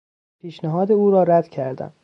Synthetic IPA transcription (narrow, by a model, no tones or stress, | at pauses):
pʰiːʃnæɦɒːd̪euːɾɒːɾæd̪̥cʰæɾd̪æ̰m